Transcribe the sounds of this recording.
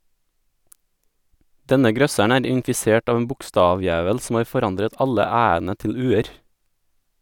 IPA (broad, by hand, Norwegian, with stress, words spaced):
ˈdɛnə ˈɡɾœsæɳ ˈæːɾ ɪnfɪˈseːʈ ˈɑːʋ n̩ ˈbʊkˌstɑːˌʋjæːʋəl sm̩ ˈɑːɾ fɔˈɾɑndɾət ˈɑʎə ˈæːənə ˈtɪʎ ˈʉːəɾ